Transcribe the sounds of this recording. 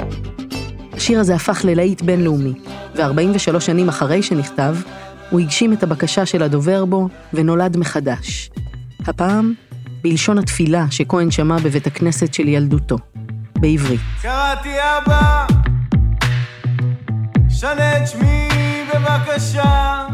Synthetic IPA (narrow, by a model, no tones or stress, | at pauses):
haʃiʁaze̞afaχle̞laitbe̞nleumiveaʁbaimveʃalo̞ʃanimaχaʁe̞jʃe̞niχtav | huhiɡʃime̞thabakaʃaʃe̞lado̞ve̞ʁbo̞ | veno̞ladmeχadaʃ | hapaːmbilʃo̞nhatfilaʃe̞ko̞enʃamabe̞ve̞thakne̞setʃe̞ljalduto̞beivʁitkaʁat̪iaba | ʃanet͡ʃmibevakaʃa